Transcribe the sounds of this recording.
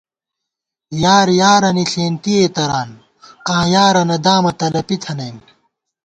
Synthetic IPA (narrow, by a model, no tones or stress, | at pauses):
jaːɾjaːɾɐniɬeːnt̪ieːt̪ɐɾaːn | qãːjaːɾɐnɐd̪aːmɐt̪ɐlɐpit̪ʰɐnɐjm